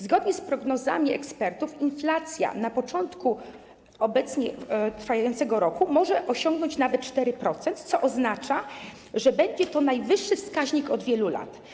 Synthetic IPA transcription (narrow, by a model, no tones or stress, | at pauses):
zɡɔd̪ɲɛspɾɔɡnɔza̰mʲiɛkspɛɾt̪ufinflat̪sʲja̰napɔt͡ʂɔnt̪ku | ɔbɛt̪sɲɛt̪ɾfajajɔnt̪sɛɡɔɾɔkumɔʐɛʔɔɕɔŋɡnɔɲt͡ɕnavɛt̪̚t͡ʂt̪ɛɾɘpɾɔt̪sɛnt̪t̪sɔʔɔznat͡ʂa | ʐɛbɛɲd͡ʑɛt̪ɔnajvɘʂːɘfskaʑɲikɔd̪vʲjɛlula̰t̪